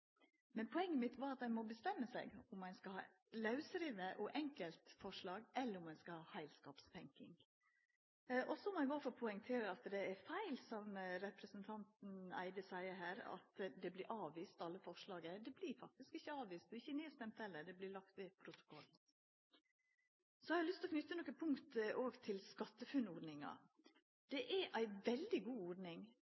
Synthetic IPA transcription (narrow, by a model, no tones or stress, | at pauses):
mɛnpʰɔɛŋːəmɪt̪ʋɑɾɑt̪æɪmɔbəst̪ɛmːəsæɪɡʊmːæɪnskɑhɑ̰ː | lɑʉsɾiːʋəʔɔʔɛŋkəlt̪fɔʂɭɑːɡɛlːəɾʊmæɪskɑhɑːhæɪlskɑːpst̪ʰɛŋkɪ̰ŋ | ʔɔsɔmɔɛɡoːfɔɾpʰʊɛŋt̪ʰeːɾəɾɑt̪d̪ɛæɾfæɪlsɔmɾɛpɾəsənt̪ʰɑnt̪n̩æ̰ɪd̪əsæɪəɦæːɾɑ̰t̪d̪ɛblɪɾʔɑːʋʋiːst̪ɑlːəfɔʂlɑːɡəd̪ɛblɪɾfɑk̚t̪ɪskɪçːəɑːʋʋiːst̪d̪ɪçːəneːst̪ɛmt̪hɛlːəɖɛblɪlɑk̚t̪ʋeːpʰɾʊt̪ʊ̥kʰɔlː | sɔhɑhɑlʏst̪lɔkʰnʏt̪ːənɔkːəpʰʊŋkt̪ʔoːɡt̪ʰɪlskɑt̪ːəfʉnɔɖnɪŋɑ̰ | d̪̥ɛʔæɾʔæɪʋɛld̪ɪɡuːɔɖnɪŋ